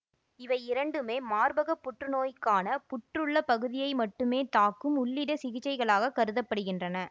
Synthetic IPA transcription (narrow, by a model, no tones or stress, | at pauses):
ɪʋɐɪɪɾɐɳɖɯmeːmaːɾbɐɣɐpːʊʈrɯnoːjkːaːnɐpʊʈrɯɭːɐpɐɣɯðɪjɐɪmɐʈːɯmeːt̪aːkɯmʊɭːɪɽɐsɪɣɪt͡ʃːɐɪɣɐɭaːɣɐkɐɾɯðɐpːɐɽɯɣɪndrɐnɐ